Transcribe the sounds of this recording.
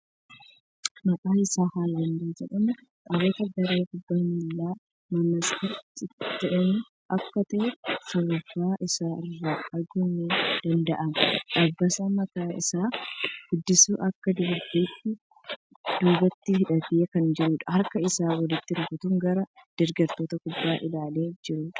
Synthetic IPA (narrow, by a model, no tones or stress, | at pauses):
mɐkʼaːɪsaːhaːlɐndid͡ʒɛᶑɐmʊ | kʼɐwɔt̪ɐɡɐɾeːhʊbːɐmɪlːaː | mɐnɐskɐɾt͡ʃɪɪt̪ːɐʔɛnu | ʔɐkːɐt̪ɐʔɛsɔβɐfːaːʔɪsaːɪrːaːɐɡʊnːeːd̪̥ɐnd̪ɐʔɐnᶑɐbːɐsɐmɐkaːɪ̰saːɡ̥ʊd̪ːɪsuːʔɐkːɐd̪uːbiːt̪ːɪ | d̪̥uːbɐt̪ːɪhɪᶑɐt̪ɪekɐnd͡ʒɪɾuːᶑɐ̥hɐɾkɐɪsaːwɐlɪt̪ːɪɾʊkʊt̪ʊŋɡɐɾɐd̪̥ɪɾɡɐɾt̪oːt̪ɐkʊbːaːʔɪlaːle̞ːd͡ʒɪɾuːᶑɐ̥